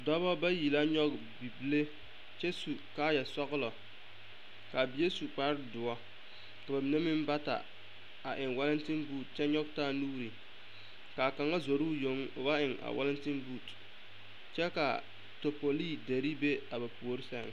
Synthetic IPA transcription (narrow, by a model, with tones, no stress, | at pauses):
dɔ˦βɔ˦ba˦ji˨la˦ɲɔ˦k̚ | bi˨bi˦le˦ | t͡ʃɛ˦su˨ka˦ja˨sɔ˦ɣlɔ˨ | ka˨bi˨je˦su˨k͡pa˦ɾɪ˦dʊ˨ɔ˦ | ka˨ba˨mi˨ne˦mɪ˦m˦ba˦ta̰˨ | a˨ʔɪ˨ŋwa˦lɪ˦ntɪ˦nbuː˦˨t̚t͡ʃɛ˦ɲɔ˦ɡ̚taː˦nuː˦ɾi˨ | ka˨ka˨ŋa˦zo˨ɾuː˦jo˨˦ŋʊ̰˨ba˦ʔɪ˨ŋa̰˨wʔa̰˦lɪ˦ntɪ˦nbuː˦˨t | t͡ʃɛ˦ka̰˨ | to˨po˨li˦de˨ɾi˦be˦a˨ba˨pu˨o˨˦ɾi˦sɛ˦ŋ˨